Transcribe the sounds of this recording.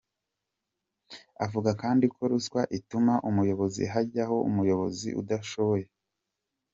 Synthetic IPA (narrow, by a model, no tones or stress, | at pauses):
avuɡakaːndikʰo̞ɾuskwaʔitumaʔumujo̞βo̞zḭɦaɟaho̞ṵmujo̞βo̞zḭʔṵdaʃo̞βoje̞